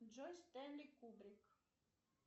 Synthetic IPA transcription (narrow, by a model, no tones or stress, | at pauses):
d͡ʒɔjst̪ɛmlʲikːubɾik